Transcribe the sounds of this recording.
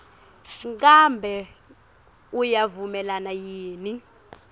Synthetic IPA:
ŋ͡ǀʼambʱɛ | ujavumɛlanajiːni

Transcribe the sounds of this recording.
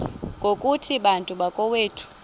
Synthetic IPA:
ŋɡʱokʼutʰiɓantʼuɓakʼɔweːtʰu̥

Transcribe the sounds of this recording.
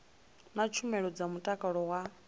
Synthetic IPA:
nat͡ʃʰumɛɺɔd͡zamutʼakʼaɺɔwa

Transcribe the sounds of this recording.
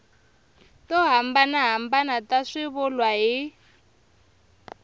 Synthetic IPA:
tɔɦambanaɦambanataʂɪβʊlwaɦi

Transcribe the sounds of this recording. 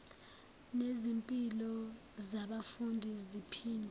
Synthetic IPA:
nezimpʼilɔ | zaɓafundʱizipʰiːndʱʼ

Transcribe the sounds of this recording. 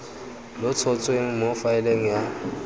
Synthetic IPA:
lʊt͡sʰɔt͡sʼweŋ̩mofaɛleŋ̩ja

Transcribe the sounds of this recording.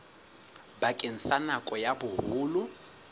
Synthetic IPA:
bakʼen̩sanakʼɔjabʊhʊːlʊ

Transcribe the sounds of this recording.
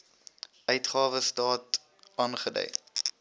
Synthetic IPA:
œɥtχɑːvəstɑːt | ɑːnχədœ̰j

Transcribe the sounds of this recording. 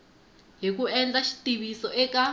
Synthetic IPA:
ɦik̬uɛnd͡ɮaʃi̥tiβisɔʔɛka

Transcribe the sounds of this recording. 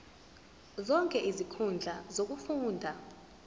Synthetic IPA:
zɔŋkʼɛʔizikʰund͡ɮʱazok̬ufuːndʱa

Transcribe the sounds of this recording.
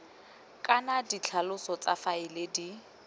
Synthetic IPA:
kʼanadit͡ɬʰalʊsɔt͡sʼafaɪledi

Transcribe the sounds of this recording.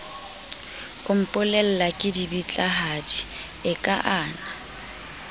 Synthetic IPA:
ʊm̩pʼʊlɛl̩lakʼɪdibit͡ɬʼaɦadi | ɪkʼaʔaːna

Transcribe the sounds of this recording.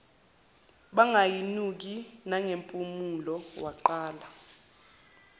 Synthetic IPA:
ɓaŋajinuk̬inaŋempʼumulɔwaǃaːla

